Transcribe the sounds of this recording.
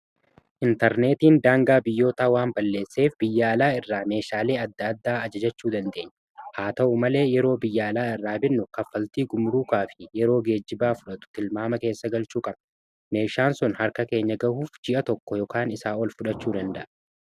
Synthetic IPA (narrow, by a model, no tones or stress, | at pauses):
ʔɪnt̪ɛɾne̞ːt̪iːnd̪aːŋɡaːbɪjːo̞ːt̪aːwaːmbɐlːe̞ːsːe̞ːfb̥ɪjːaːlaːɪrːaːme̞ːʃaːle̞ːɐd̪ːɐːd̪ːaːɐd͡ʒɐd͡ʒɐt͡ʃːuːd̪ɐnd̪e̞ːɲːɐ̥ | haːt̪ɐʔʊmɐle̞ːjɛɾo̞ːbɪjːaːlaːɪrːaːbɪnːʊkɐfːɐlt̪iːɡʊmɾuːkaːfɪ̥jɛɾo̞ːɡe̞ːd͡ʒːɪbaːfʊᶑɐt̪ʊ̥t̪ɪlmaːmɐke̞ːsːɐɡɐlt͡ʃuːkʼɐb | me̞ːʃaːnsɔnhɐɾkɐke̞ːɲːɐɡɐhuːfd͡ʒɪʔɐt̪ɔkːɔjɔkaːnɪsaːɔlfʊᶑɐt͡ʃːuːd̪ɐnd̪ɐʔɐ